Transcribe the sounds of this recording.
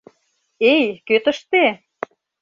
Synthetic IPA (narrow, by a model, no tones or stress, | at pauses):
ejkøt̪ə̆ʃt̪e